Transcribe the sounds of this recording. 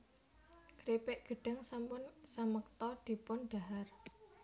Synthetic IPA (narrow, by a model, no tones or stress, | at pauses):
ɡ̥ɾepɪʔɡ̥ə̤ɖ̥a̤ŋsampʊnsamək̚t̪ɔd̪̥i̤pʊnɖ̥a̤ɦar